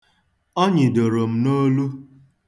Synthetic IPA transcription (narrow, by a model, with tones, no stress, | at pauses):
ɔ˦ɲɪ˨do˨ɾo˨m̩˦no˦lu˦